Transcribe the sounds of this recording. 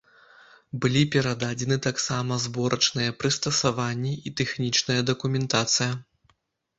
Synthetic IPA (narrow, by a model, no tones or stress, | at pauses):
bɨlʲipʲɛɾad̪ad͡zʲɛnɨt̪aksamɐzbɔɾɐt͡ʂnɨjɐpɾɨst̪ɐsavanʲːiit̪ɛxnʲit͡ʂnɐjɐd̪ɐkumʲɛnt̪at̪sɨjɐ